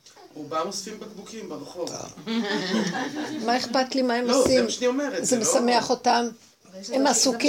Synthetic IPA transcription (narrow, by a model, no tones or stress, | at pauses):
ubamosfimbaɡbukimbelχo̰ | maeχpat̪limaemosimʃniomeʁezemesame̞aχo̞tam | emasuki